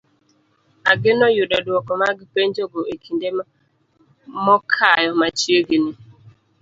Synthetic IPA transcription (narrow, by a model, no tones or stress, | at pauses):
aɡɪnɔjʊɗɔdʊɔkɔmaɡɪpend͡ʒoɡoekʰinde | mɔkʰajɔmat͡ʃioɡɪnɪ